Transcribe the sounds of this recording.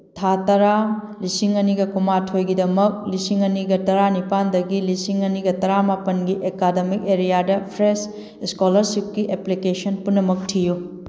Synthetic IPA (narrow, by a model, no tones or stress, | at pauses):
tʰatɐɾa | lisiŋɐniɡɐkumatʰojɡidɐmɐk̚lisiŋɐniɡɐtɐɾanipandɐɡilisiŋɐniɡɐtɐɾamapɐnɡiʔekademik̚eɾijadɐpʰɾes | skolɐɾsip̚kiʔeplikesɐnpunːɐmɐk̚tʰiju